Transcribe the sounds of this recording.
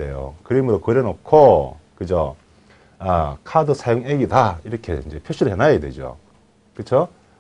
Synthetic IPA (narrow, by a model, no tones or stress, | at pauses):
ejo̰kɯɾimɯɾokɯɾjeʌnokʰokɯd͡ʑo | akʰadosʰajoŋeɡidaiɾʌkʰe̞̰ind͡ʑe̞pʰjoɕʰuɾɯɭɦenajedwḛd͡ʑo̰ | kɯt͡ɕʰo